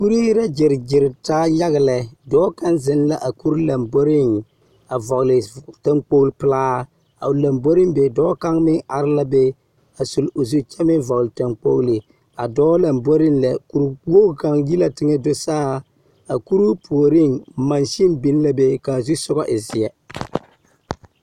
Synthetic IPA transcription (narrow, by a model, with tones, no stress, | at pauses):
ku˦ɾi˦ɾa˦d͡ʒɪ˨ɾd͡ʒɪ˨ɾtaː˦ja˦ɣɪ˨lɛ˨dɔː˦ka˦nzɪ˦nla˦ʔa˨ku˦ɾla˨mbo˦ɾɪ˦ŋ | a˨vɔ˨ɣlɪ˨ta˦ŋk͡po˦ɣlpɪ˦laː˦ | a̰˨ʊ˨la˨mbo˦ɾɪ˦ŋbe˨dɔː˦ka˦ŋmɪ˦ŋa˨ɾɪ˦la˦bɛ˦ | a˨su˨lʊ˨zu˦t͡ʃɛ˦mɪ˦vɔ˨ɣlta˨ŋk͡po˦ɣlɪ˨ | a˨dɔː˦la˨mbo˦ɾɪ˦nlɛ˨ku˨ɾwo˦˨ka˨ŋji˦la˨tɪ˦ŋɛ˦do˦saː˦ | a˨ku˦ɾu˦pʰu˨o˨ɾɪ˦ŋma˨nʃi˦nbi˦n˦la˦be˦ka˨zu˦sʊ˦ɡɔ˦ʔɪ˨zɪ˨ɛ˨